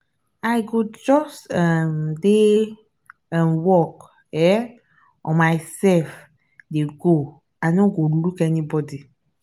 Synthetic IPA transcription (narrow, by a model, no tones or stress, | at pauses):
aɪɡod͡ʒɔstɛmde | ɛ̃nwɔk | ɛ | ɔ̃maɪsɛlf | deɡo | anõɡolukɛnibɔdi